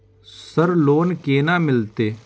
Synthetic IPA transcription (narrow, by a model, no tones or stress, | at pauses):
səɾloːnkeːnãːmɪlt̪eː